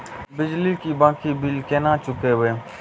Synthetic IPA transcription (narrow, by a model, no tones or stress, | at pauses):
bɪd͡ʒliːkiːbãːkʰiːbilkeːnãːt͡ʃʊkeːɦʊeː